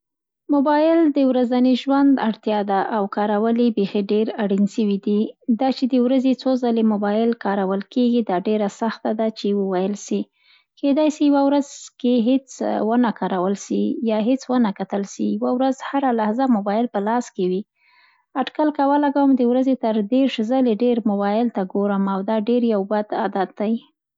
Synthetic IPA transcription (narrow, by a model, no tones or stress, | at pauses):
mʊbɑjɪld̪əwɾazaniʒwand̪aɽt̪jɑd̪aʔawkɑɾawəlibexeɖeɾaɽinʃəwid̪id̪ɑt͡ʃed̪əwɾazet͡sozalemobɑjɪlkɑɾawəlkeɡid̪ɑɖeɾasaxt̪ad̪at͡ʃewəwajəlʃi | ked̪ɑjsijawawɾazkeɦet͡swənakɑɾawəlsijɑɦet͡swənakat̪əlʃḭjawawɾazhaɾalahzamʊbɑjɪlpəlɑskewi | aɖkalkawəlaɡawəmd̪əwɾazet̪əɾd̪eɾʂzaleɖeɾmʊbɑjɪlt̪aɡoɾəmawd̪ɑɖeɾjawbad̪a̰d̪ad̪̚ːaj